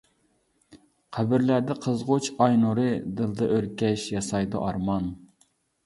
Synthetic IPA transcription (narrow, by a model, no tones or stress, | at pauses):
qʰæbɪɾlæd̪ɪqʰəzʁot͡ʃʰɑjnuɾɨd̪ɨlˠd̪ɨʔøɾkʲɛʃjɑsɑjd̪ṵʔɑɾmɑn